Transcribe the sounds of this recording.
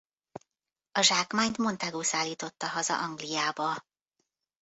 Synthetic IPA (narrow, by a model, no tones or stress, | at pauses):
ɒʒaːkmaːɲt̪mo̞nt̪ɛɡoːsaːlːiːt̪o̞t̪ːɒɦɒzɒ̰ʔɒŋɡlijaːbɒ